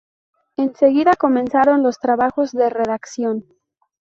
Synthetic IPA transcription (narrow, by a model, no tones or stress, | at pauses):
e̞nse̞ɣiðako̞mẽ̞nsaɾo̞nlo̞st̪ɾaβaxo̞zðe̞re̞ðaksjo̞n